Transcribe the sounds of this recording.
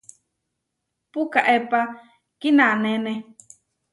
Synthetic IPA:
pukaʔepa | kinãnenɛ

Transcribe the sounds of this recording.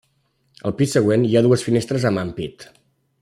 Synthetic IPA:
ə̰lˠpisːəɣ̞weniaðuəsfinest̪ɾəzəmampit̪

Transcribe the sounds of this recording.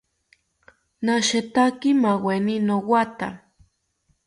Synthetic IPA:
naʃet̪akimaweninowat̪a

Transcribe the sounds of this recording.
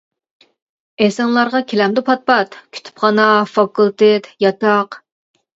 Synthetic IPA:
ɛsɑnlˠɑɾʁɑkʲʰelɛmd̪ɪpʰɑt̪̚pɑt̪kʲʰy̥t̪ʰy̥pχʰɑnɑfɑkulˠt̪et̪jɑt̪ɑq

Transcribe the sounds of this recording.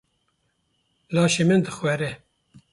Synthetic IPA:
lɑːʃemɨnd̪ɨxwɛɾɛ

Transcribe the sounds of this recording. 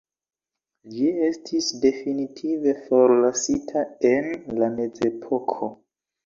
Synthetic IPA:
d͡ʒie̞stʰisde̞finitʰive̞fo̞ɾlasitʰae̞nlame̞t͡se̞pʰo̞kʰo

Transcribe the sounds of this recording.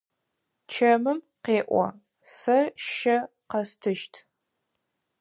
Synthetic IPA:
t͡ʃʰɐmɨm | qeːʔʷɔ̰ | sɐʃʃɐ | qɐstʰɨʃtʰ

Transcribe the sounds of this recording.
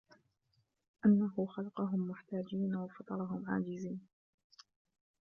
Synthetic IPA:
ʔanːahʊxalɑqɑɦʊmːʊħt̪aːd͡ʒiːnawɑfɑt̪ˤɑɾˤɑɦʊmʕa̰ːd͡ʒɪziːn

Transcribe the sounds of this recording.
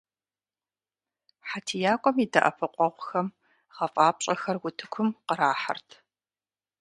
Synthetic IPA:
ħatʰijaːkʷʼɔmidɐʔɐpʰɨqʷʼɔʁʷʊxɐm | ʁɐfʼaːpɕʼɐxɐrwʊtʰɨ̥kʷʰʊmqəɾaːħa̰rtʰ

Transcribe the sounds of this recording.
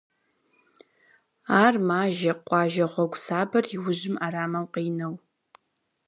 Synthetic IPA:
aːrmaːʒɐqʷʼɑːʒɐχʷɔɡʷsaːbɐriwʊʑɪmaːɾaːmɐwqeːnɐw

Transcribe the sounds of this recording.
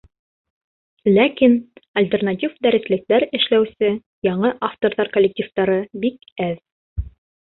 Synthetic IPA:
lækinɐlʲt̪ʲernatʲifd̪æɾɘ̆slɘ̆k̚t̪æɾɘ̆ʃlæwsɘ | jɑɴɤʔaft̪oɾðɑɾkolʲːek̚tʲift̪ɑɾɤbik | æð

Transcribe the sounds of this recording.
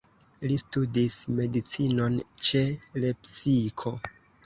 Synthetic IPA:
listudisme̞dit͡sino̞nt͡ʃe̞le̞psikʰo̞

